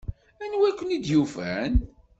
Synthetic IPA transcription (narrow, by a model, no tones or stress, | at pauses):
ænwækʷːənid̪jufæn